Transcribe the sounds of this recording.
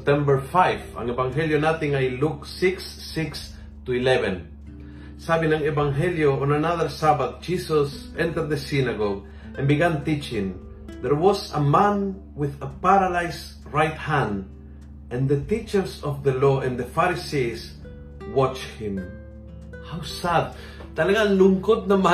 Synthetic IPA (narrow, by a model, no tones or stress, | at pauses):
s̚t̪ɛ̃mbəɹfajvã̰ŋevãŋɦɛljonat̪ɪ̃ŋajluksɪksːɪks | t̪uilɛvɛ̃n | sabĩnãŋevãŋɦɛljoɔ̃nanaðəɾsabad̪̚d͡ʒisɔs | ɛ̃nt̪əɾd̪ðəsinaɡoɡ | ʔɛ̃nbɪɡãnt̪it͡ʃɪ̃ŋ | ðɛɹwɔsəmãn | wɪðəpaɾalajs | ɹajt̪hãnd̪ | ɛ̃nðət̪it͡ʃəɹsɔvðəloɛ̃nðəfaɾisis | wɔt͡ʃhɪ̃m | hawsad̪̚ | t̪aleɡanluŋkot̪̚nama